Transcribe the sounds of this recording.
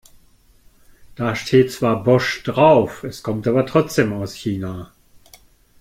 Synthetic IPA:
d̥aːʃtʰeːtt͡sv̥aːɐbɔʃd̥ʁaʊfɛskʰɔmtʔaːbɐtʁ̥ɔt͡sd̥eːmaʊsçiːnaː

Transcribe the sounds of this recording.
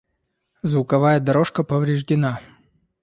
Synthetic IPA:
zvʊkɐvajəd̪ɐɾo̞ʂkəpəvɾʲɪʐdʲɪna

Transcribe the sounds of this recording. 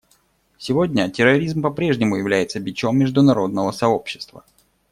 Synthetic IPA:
sʲɪvo̞dʲnʲətʲɪɾɐɾʲizmpɐpɾʲe̞ʐnʲɪmʊjɪvlʲæjɪt̪səbʲɪt͡ɕo̞mːʲɪʐd̪ʊnɐɾo̞d̪̚nəvəsɐo̞pɕːɪ̥st̪və̰

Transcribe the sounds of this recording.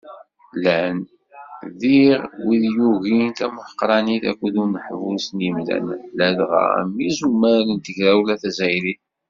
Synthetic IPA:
læn | ðiʁwiðjuʝint̪æməħəqɾˤɑniθæ̰kʷːəðunəħvusnjəmlæ̰nlælʁæ̰mːizumːælənt̪əʝɾæwlæθæzæjɾiθ

